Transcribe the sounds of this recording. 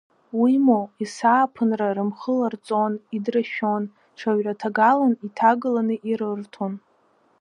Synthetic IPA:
wimoisaːpʰɨnrarɨmχəlart͡sʼonidraʃᶣon | ʈ͡ʂʰaɥʕatʰaɡalanitʰaɡɨlanɨʔiɾɨrtʰon

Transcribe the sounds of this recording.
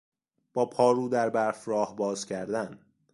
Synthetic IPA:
b̥ɒːpʰɒːɾuːd̪æɾbæɾfɾɒːhbɒːz̥cʰæɾd̪æn

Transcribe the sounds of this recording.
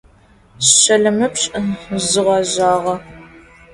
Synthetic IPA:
ɕɕɐɮɐmɨpɕʼzɨʁɐʑaːʁɐ

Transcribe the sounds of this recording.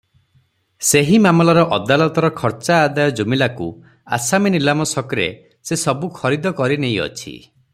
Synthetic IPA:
seɦimamɔlɔɾɔʔɔd̪alɔt̪ɔɾɔkʰɔɾt͡ʃaːd̪ajɔd͡ʒumilakṵ | a̰saminilamɔsɔkɔɾḛ | sesɔbukʰɔɾid̪ɔkɔɾinej̃ɔ̰t͡ʃʰḭ

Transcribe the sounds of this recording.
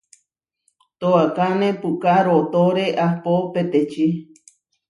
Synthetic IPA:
t̪oakanẽpukaɾot̪oɾeʔahpopet̪et͡ʃi

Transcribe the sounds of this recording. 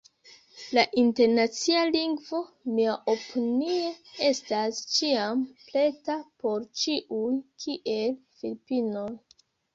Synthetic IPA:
laʔinte̞ɾnat͡sialiŋɡvo̞ | miaʔopʰiniee̞stast͡ʃiample̞tapo̞ɾt͡ʃiʔujkʰiʔe̞lfilipino̞j

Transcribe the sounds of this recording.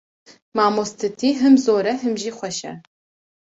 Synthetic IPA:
maːmostʰɨtʰiːɦɨmzoːɾɐɦɨmʒiːχʷɔʃɐ̰

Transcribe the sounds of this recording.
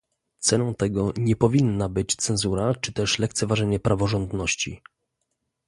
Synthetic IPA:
t̪sɛnɔ̃w̃t̪ɛɡɔɲɛpɔvʲinːabɘt͡ɕt̪sɛnzuɾat͡ʂɘ̥t̪ɛʂlɛkt̪sɛvaʐɛɲɛpɾʔavɔʐɔnd̪nɔɕt͡ɕḭ

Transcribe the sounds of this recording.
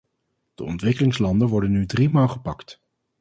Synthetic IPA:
d̥əɔ̰ntʋɪkəlɪŋslɑndənʋɔɹdənːydrimaːlˠχəpɑkt

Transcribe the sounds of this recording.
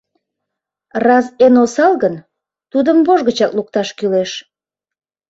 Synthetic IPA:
rɑzenosɑlɣən | t̪ud̪əmboʒɣət͡ɕɑkluk̚t̪ɑʃkyleʃ

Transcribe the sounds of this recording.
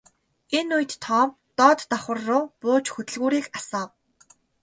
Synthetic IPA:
enujt̪ːʰɔːm | t̪ɔːt̪ːɔχə̆rːʊːpoːt͡ɕxɵt̪ɘ̆ɮɣuːɾiːkasɔːw

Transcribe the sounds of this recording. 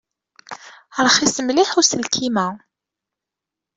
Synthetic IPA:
ɾˤχisəmliħusəlkʰimæ

